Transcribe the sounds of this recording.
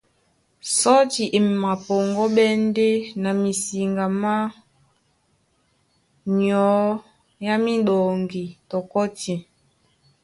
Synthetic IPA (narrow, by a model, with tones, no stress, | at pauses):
sɔ˦ti˨ʔe˨ma˨pɔ˨ŋɡɔ˦ɓɛ˦n˦de˦na˨mi˨si˨ŋɡa˨ma˦ | ɲɔ˨˦ | ja˦mi˦ɗo˨ŋɡi˨tɔ˨kɔ˦ti˨